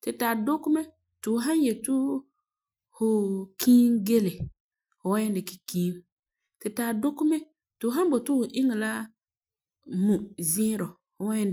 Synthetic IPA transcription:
tɪ˨taː˨dʊ˦kʊ˦mɛ˦ | tʊ˨ɦa˦nje˨tu˦ | hʊ˨kʰiː˦nɡe˦lɪ˨ | hʊ˨wɛ˦ndɪ˨ki˨kiː˦n | tɪ˨taː˨dʊ˦kʊ˦mɛ˦ | tʊ˨˦ɦã˦n˦bo˨tʊ˦hʊ˨ʔɪ˦ŋɪ˨la˦ | mu˨zɪ˦ɾɔ˨ | hʊ˨wɛ˦n

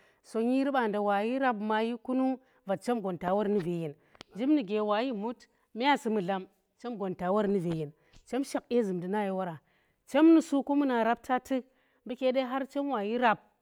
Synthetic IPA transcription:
so˨ɲi˦ɾi˦ɓa˨nda˨wa˨ji˦ɾa˦pma˨ji˦ku˦nu˦ | va˨t̚t͡ʃe˦mɡo˨nta˨wa˦ɾni˦ve˨ji˨n | d͡ʒi˦mni˨ɡe˨wa˨ji˦mu˦t | mi˦ja˦si˨mu˨ɮa˦m | t͡ʃe˦mɡo˨nta˨wa˦ɾni˦ve˨ji˨n | t͡ʃe˦mʃa˨k̚e˦zɨ˨mdi˨na˦ji˨wa˦ɾa˨ | t͡ʃe˦mni˨su˦ku˦mu˦na˨ɾa˦p̚tʰa˦tɨ˦ | bi˦kʲe˦ɗe˦ɦa˦ɾt͡ʃe˦mwa˨ji˦ɾa˨p̚

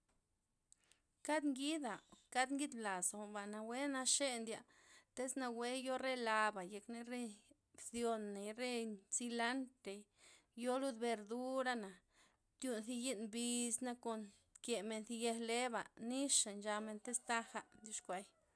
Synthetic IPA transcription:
ka˦d̪ŋɡi˦d̪a˨ka˦d̪ŋɡi˦d̪bla˨so˨ba˨na˧we˦na˧ʃe˦nd̪ja˧˨ | t̪e˦sna˧we˦jo˦ɾe˦la˧ba˨je˨kne˧ɾe˦ | bθjo˧nːe˨ɾe˦si˧la˦nt̪e˨ | jo˦lu˦d̪be˧ɾd̪u˦ɾa˦na˨ | t̪ju˧nθi˧ji˦nbi˧sna˦ko˧n | ke˨me˧nθi˧je˧hle˦ba˨ni˦ʃa˨nd͡ʒa˧me˧nt̪e˦st̪a˦xa˧˨nd̪ʲu˧ʃkʷa˧j

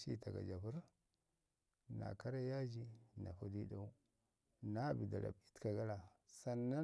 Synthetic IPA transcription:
ʃḭ˦ta˨ɡa̰˨d͡ʒa˨pu˦ɾ | na̰˨ka˦ɾa˦ja˦d͡ʒi˦na̰˨fu˦di˦da˦u˦ | na˦bi˨da̰˨la̰˨bi̥˦tka˨ɡa˦la˨ | sa˨nːa˦

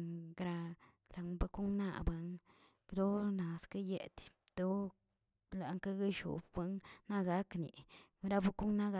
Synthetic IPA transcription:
ɡɾa˧ | la˨ŋba˦ku˦ŋna̰˦˧ba˦ŋ | kd̪o˦na˨ska˦jḛ˨d̪ | t̪o˦ | la˨˦ŋka˦ɡa˦ʃṵ˨bba˦ŋna˦ɡa˦knḭ˨ɾa˦ba˧ku˦ŋna˦ɡa˦

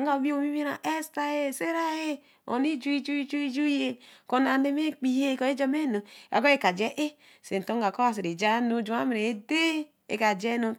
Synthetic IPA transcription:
ŋ˦ɡa˨bi˦o˨mi˦mi˦ɾa̰˨ʔe˦sta˦je˦˨se˦ɾa˦je˦ | o̰˨ni˦d͡ʒu˦i˦d͡ʒu˦i˦d͡ʒu˦i˦d͡ʒu˦je˦ko˨na˨ne˦m˦e˦k͡pi˨je˦ko˨˦e˦d͡ʒo˦me˦no˨a̰˨ɡo˦e˦˨ka˨d͡ʒe˦ʔe˦ | se˨n˨to˦ŋ˦ɡa˨ko˦a˨s̬e˨ɾe˨d͡ʒa˦no˦d͡ʒu˨ma˦m˨ɾe˨e˦de˦ | ḛ˨ka˨d͡ʒe˦no˦

